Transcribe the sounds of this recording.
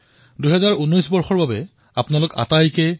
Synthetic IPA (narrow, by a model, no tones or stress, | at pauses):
duɦɛzaɹunɔjsbɔɹxɔɹbabɛ | apnalʊka̰tajkɛ